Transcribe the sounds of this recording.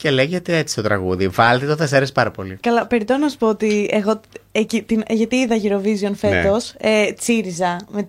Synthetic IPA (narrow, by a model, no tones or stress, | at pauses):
celeʝet̪eet͡si̥st̪o̞t̪ɾɐ̰ɣuðivɐlt̪et̪oθeseɾespɐɾɐpo̞lḭkɐlɐpe̞ɾit̪e̞nonɐsu̥poot̪ieɣo̞ecit̪inʝɐt̪iiðɐʝiɾo̞vizio̞nfe̞t̪o̞set͡siɾizɐme